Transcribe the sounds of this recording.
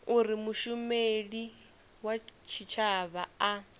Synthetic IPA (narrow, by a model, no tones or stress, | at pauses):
uɾimuʃumeɺi | wat͡ʃʰit͡ʃʰaβaa